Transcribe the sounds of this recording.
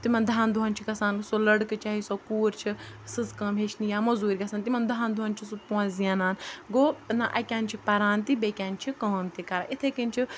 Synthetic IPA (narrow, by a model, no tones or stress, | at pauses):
t̪imɐnd̪ʱaːnd̪uɦɐnʲt͡ʃʰikɐsaːnsolɐɽkɨt͡ʃaːɦisokuːɾt͡ʃʰi | sɨzkɐ̃ːmeʃʰnijaːmɐzuːɾʲɡɐsant̪imɐnd̪uɦaːnd̪uɦɐnʲt͡ʃʰisupõɐnzijaːnaːnɡoːnaʔɐkʲaːnʲt͡ʃʰipɐɾaːnt̪ibeːkʲaːnʲt͡ʃʰikɐːmt̪ikɐɾaːʔit̪ʰekint͡ʃʰi